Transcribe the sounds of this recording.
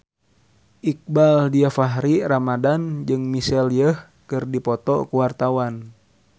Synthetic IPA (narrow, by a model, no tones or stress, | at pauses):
ʔik̚baldiafaɦɾiramadand͡ʒɨŋmisɛljəh | kɨrdipɔt̪ɔ̰kuwart̪awan